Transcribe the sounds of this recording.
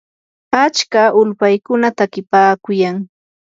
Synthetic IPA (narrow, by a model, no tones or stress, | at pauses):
at͡ʃkaʔʊlpajkʊnat̪akɪpaːkʊjaŋ